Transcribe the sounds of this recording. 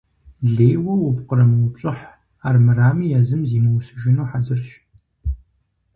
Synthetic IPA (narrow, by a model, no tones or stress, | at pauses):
ɮeːwɐwʊpqəɾɐmɨwʊpɕʼɪħ | aːrmɨraːmijɛzɨmziːmɐwsɨʒɪnuːħazɨrɕ